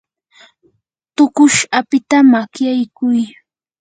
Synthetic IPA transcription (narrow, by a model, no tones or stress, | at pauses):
t̪ʊkʊʃapɪt̪amakjajkʊj